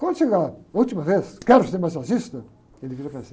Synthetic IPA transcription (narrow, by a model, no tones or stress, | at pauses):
kwɐ̃nd̪ʊʃeɡaut͡ʃ̪imɐveskɛɾʊseɾmajzazist̪ɐ | elɪviɾɐpase